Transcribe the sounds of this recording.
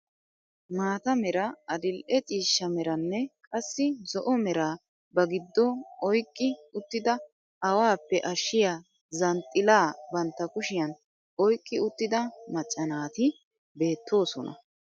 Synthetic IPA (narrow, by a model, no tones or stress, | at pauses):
maːt̪ɐmɛɾɐɐd̪ɪlʔɛt͡ʃʼiːʃːɐmɛɾɐnːɛkʼɐsːɪzɔʔɔmɛɾaː | bɐɡɪd̪ːɔɔjkʼːɪʊt̪ːɪd̪ɐ | ɐwaːpːɛʔɐʃːɪjaː | zɐnt̪ʼːɪlaːbɐnt̪ːɐkʊʃɪjɐn | ɔjkʼːɪʊt̪ːɪd̪ɐmɐt͡ʃʼːɐnaːt̪ɪ | be̞ːt̪ʰːo̞ːsɔ̰nɐ̰